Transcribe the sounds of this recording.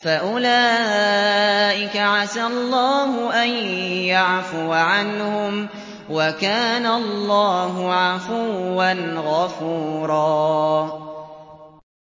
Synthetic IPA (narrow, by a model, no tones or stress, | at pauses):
faʔʊlaː | ʔɪkaʕasalˤːɑːɦʊʔanjaʕfʊʕanhʊm | wakaːnalˤːɑːɦʊʕafuːanɣafuːɾˤɑː